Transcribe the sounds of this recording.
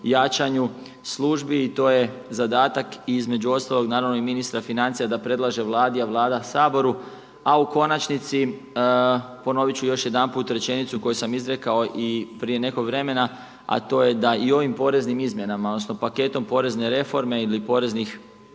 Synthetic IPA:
jat͡ʃaɲu | slˠuːʒbiːt̪o̞ːje̞zad̪aːt̪akiizme̞d͡ʒuo̞st̪alo̞ɡnaːɾaʋno̞iminist̪ɾafinant̪sijad̪apɾe̞d̪laʒe̞ʋlˠaːd̪ijaʋlˠaːd̪asaːbo̞ɾu | auko̞nat͡ʃnit̪si | po̞no̞ʋit͡ɕujo̞ʃje̞d̪anpuːt̪ɾe̞t͡ʃe̞nit̪suko̞jusamizɾe̞kao̞ʔipɾije̞ne̞ko̞ɡʋɾe̞me̞na | a̰t̪o̞ːje̞d̪aio̞ʋimpo̞ɾe̞znimizmje̞namaodnosno̞pake̞t̪o̞mpo̞ɾe̞zne̞ɾe̞fo̞ɾme̞ilipo̞ɾe̞znix

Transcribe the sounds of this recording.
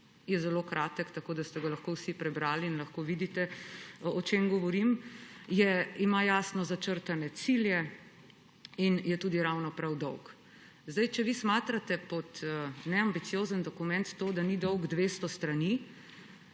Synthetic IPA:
jɛzɛlokɾaːt̪əkt̪akoːd̪ast̪ɛɡalaxkowsipɾɛbɾaːliːnlɐxkoʋid̪it̪ɛɔt͡ʃemɡɔʋɔɾimjɛimajaːsnɔzat͡ʃəɾt̪anɛt̪siljɛ | injɛt̪uːd̪iɾawnɔpɾawd̪ɔwk | zd̪ajt͡ʃɛʋismaːt̪ɾat̪ɛpɔt̪nɛambit̪sijoːzənd̪ɔkumɛnt̪ːoːd̪anid̪ɔwɡd̪ʋeːst̪ɔst̪ɾani

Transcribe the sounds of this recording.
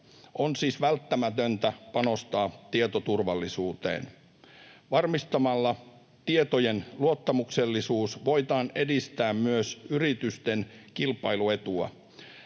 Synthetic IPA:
ʔonsiːsʋælt̪ːæmæt̪ønt̪æpɑno̞st̪ɑːt̪iet̪ot̪urʋɑlːisuːt̪ḛːn | ʋɑrmist̪ɑmɑlːɑ | t̪iet̪ojenluot̪ːɑmukselːisuːsʋo̞it̪ɑːne̞dist̪æːmmyøsyrit̪yst̪enkilpɑilue̞t̪uɑ̰

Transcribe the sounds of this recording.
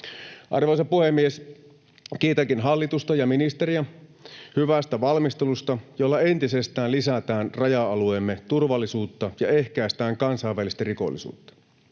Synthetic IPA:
ʔɑ̰rʋojsɑpuhemːies | kiːt̪ɑkinɦɑlːit̪ust̪ɑjɑminist̪eɾiæhyʋæst̪æʋɑlmist̪elust̪ɑjolːɑe̞nt̪isest̪æːnlisæt̪æːnrɑjɑɑlueːmːe̞t̪urʋɑlːisuːt̪ːɑjɑe̞hkæːst̪æːŋkɑnsɑijʋːælist̪æriko̞̰lːḭsṵːt̪ːɑ̥

